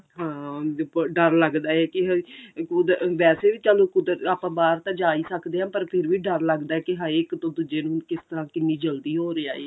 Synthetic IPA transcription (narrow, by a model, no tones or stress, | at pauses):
ɦãː | ɖəɾləɡd̪aːɛːkɪɦkʊd̪ʋɛːseːʋiːt͡ʃaːlõːkʊd̪əɾaːpãːbaːɾt̪ãːd͡ʒaːiːsəkd̪eːɦãːpəɾpʰɪɾʋiːɖəɾləɡd̪aːɛːkɪɦaɪːkt̪õːd̪ʊd͡ʒeːnũːkɪst̪əɾãːkɪnːiːd͡ʒəld̪iːɦoːɾeaːeː